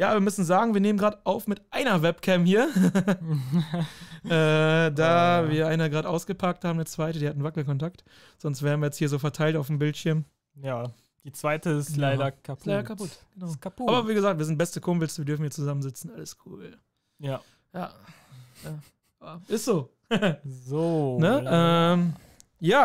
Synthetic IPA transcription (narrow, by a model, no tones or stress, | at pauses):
jaːviːɐmʏsn̩zaːɡŋ̩viːɐneːmənɡʁaːdəʔaʊfmɪtʔaɪnɐvɛpkʰɛmhiːɐ | ʔɛːdaːviːɐaɪnəɡʁaːdəʔaʊsɡ̥əpʰak̚thaːbmndət͡sv̥aɪtədiːhatn̩vakl̩kɔntakt | z̥ɔnstv̥eːʁnviːɐjɛt͡sthiːɐzoːfɛɐtʰaɪltaʊfm̩bɪltʃɪɐm | jaː | d̥iːt͡sv̥aɪtəɪstlaɪɐkʰaslaɪɾɐɐkʰapʊtɡ̥ənaʊkaaːbɐviːɡəzaːk̚tviːɐzɪnt̚bɛstəkʰʊmblsviːɐdʏɐfn̩hiːɐt͡suzamənzɪt͡sn̩ʔaləskʰṵːl | ja | jaː | ja | aʔɪstz̥oː | zoːnəɛːm | jaː